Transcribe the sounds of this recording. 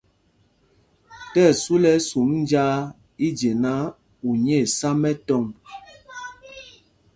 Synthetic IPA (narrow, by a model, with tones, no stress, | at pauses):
tɛ˦˨su˦lɛ˦su˨˦mn˦d͡ʒa˦ | i˦d͡ʒe˨na˦ | u˨ɲɛ˦˨sa˦mɛ˦tɔ˦˨ŋ